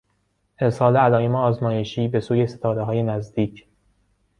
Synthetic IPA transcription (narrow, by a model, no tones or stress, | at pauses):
ʔeɾsɒːleælɒːimeɒːzmɒːje̞ʃiːbe̞suːje̞se̞t̪ʰɒːɾeɦɒːje̞næzd̪iːcʰ